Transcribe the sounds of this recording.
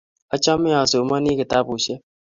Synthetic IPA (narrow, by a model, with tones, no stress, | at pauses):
a˦t͡ʃɔ˦mɛ˦ã˨so˨ma˦ni˦kɪ˨ta˦pu˨ʃe˦